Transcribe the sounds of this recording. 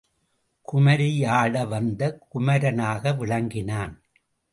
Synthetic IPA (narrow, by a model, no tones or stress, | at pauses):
kʊmɐɾɪjaːɽɐʋɐnd̪ɐkʊmɐɾɐnaːɣɐʋɪɭɐŋɡɪnaːn